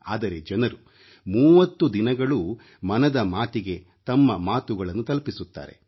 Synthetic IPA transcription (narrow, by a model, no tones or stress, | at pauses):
a̰ːd̪ɐɾe̞d͡ʒɐnɐɾu | muːʋɐt̪ːud̪inɐɡɐɭu | mɐnɐd̪ɐmaːt̪iɡe̞ | t̪ɐmːɐmaːt̪uɡɐɭɐnːut̪ɐlpisut̪ːa̰ːɾe̞̰